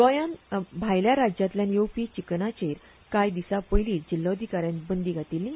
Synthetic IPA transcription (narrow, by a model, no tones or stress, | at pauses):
kɔjãnbʱajljaɾad͡ʑjat̪ljãnjowpit͡ɕiknat͡ɕeɾ | kajd̪isapəjliːd͡ʑilːaəd̪ʱikaɾjãnbənd̪iɡat̪ilːĩ